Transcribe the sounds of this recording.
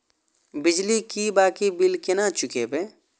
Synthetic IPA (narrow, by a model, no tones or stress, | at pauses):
bɪd͡ʒlikibaːkibɪlkɪnat͡ʃʊkebe